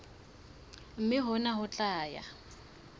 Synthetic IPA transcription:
m̩mɪɦʊnaɦʊt͡ɬʼaːja̰

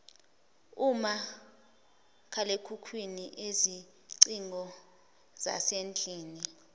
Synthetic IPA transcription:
uma | kʰalekʰukʰwiniʔezi | ǀiŋʱɔ | z̥a̰send͡ɮʱʼiːni

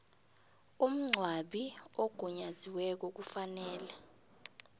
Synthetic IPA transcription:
um̩ŋ͡ǀʱwaɓiɔɡ̥ʱɔɲaziwɛk̬ɔk̬ufanɛːlɛ

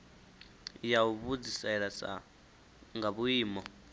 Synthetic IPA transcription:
jauβud͡zisaɛɺat͡sa̰ | ŋɡaβuiːmɔ

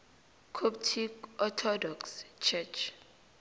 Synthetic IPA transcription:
kʰop̚tʰikɔtʰɔdɔkst͡ʃʰɛt͡ʃʰ

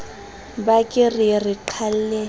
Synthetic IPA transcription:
bakʼɪririǃʰal̩lɛ

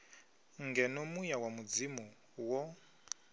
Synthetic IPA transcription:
ŋɡɛnomujawamud͡zimu | wɔ

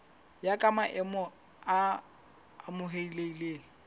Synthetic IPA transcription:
jakʼamaʔɛmɔ | a | mʊɦeileileːŋ̩

